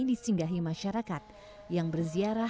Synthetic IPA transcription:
disiŋɡaɦimaʃaɾakat̪̚ | jaŋbərziaɾa

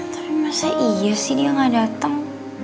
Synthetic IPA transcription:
t̪apimasaʔiasidijaŋadat̪əŋ

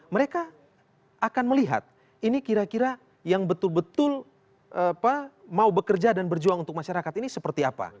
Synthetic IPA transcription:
məɾeka | akanməliɦa̰t̪̚ | inikiɾakiɾa | jaŋbət̪ʊlbət̪ʊl | ʔpamaubəkərd͡ʒadanbərd͡ʒuaŋunt̪ʊk̚maʃaɾakat̪inisəpərt̪iapa̰

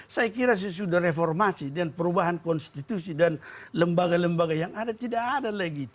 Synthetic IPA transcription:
sajakiɾas̬ajas̬udahrefɔrmasidanpəɾubaɦankɔnst̪it̪usidanləmbaɡaləmbaɡajaŋadat̪idakadalaɡi

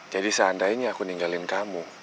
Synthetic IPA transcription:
d͡ʒadisəandaiɲaakuniŋɡalɪnkamu

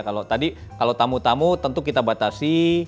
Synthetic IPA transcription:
kalot̪adi | kalot̪amut̪amut̪ənt̪ukit̪abat̪asi

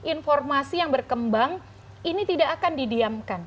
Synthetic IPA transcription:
ʔinfɔrmasijaŋbərkəmbaŋ | init̪idaʔːkandidiamkan

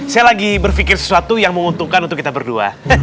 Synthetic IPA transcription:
sajalaɡibərfikɪrsə̥suat̪ujaŋməmunt̪uŋkanunt̪ʊkːit̪abərdua̰

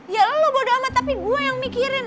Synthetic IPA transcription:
ijalalubodoamat̪apiɡuajaŋmikiɾɪn

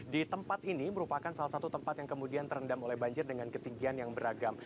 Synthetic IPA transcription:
dit̪əmpat̪iniməɾupakansalahsat̪ut̪əmpat̪jaŋkəmudiant̪ərəndamolɛhbaɲd͡ʒɪrdəŋankət̪iŋɡianjaŋbəɾaɡam

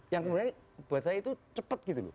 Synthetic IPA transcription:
jaŋkəmuɾɲa | b̥asaait̪ut͡ʃəpət̪̚ɡ̥it̪ulṵ

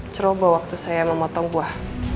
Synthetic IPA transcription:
t͡ʃəɾobawak̚t̪usajaməmɔt̪ɔŋbuah

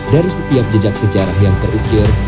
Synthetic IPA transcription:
daɾisət̪iap̚d͡ʒəd͡ʒak̚səd͡ʒaɾahjaŋt̪ərʔukɪr

